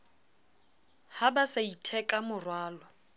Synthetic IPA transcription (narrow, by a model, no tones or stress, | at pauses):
habasaitʰɛkʼamʊrwaːlɔ